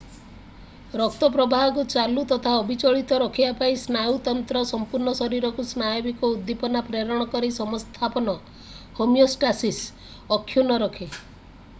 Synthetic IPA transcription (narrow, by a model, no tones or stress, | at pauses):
ɾɔk̚t̪ɔpɾɔbʱaɦɔkut͡ʃalut̪ɔt̪ʰaɔbʱit͡ʃɔɭit̪ɔɾɔkʰibapaisnajut̪ɔnt̪ɾɔsɔmpuɾɳɔsɔɾiɾɔkusnajobikɔud̪ːipɔnapɾeɾɔɽ̃ɔkɔɾisɔmɔst̪ʰapɔnɔ | homjɔsʈasis | ɔkʰːjunɔɾɔkʰe